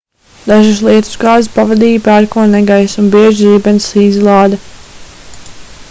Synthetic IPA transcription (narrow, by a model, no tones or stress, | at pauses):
d̪aʒus̬lˠiɛt̪u̥sɡaːzspavad̪iːpaɾkuɔnɛɡajsunbiɛʒiːbɛnsizlˠɑːd̪ɐ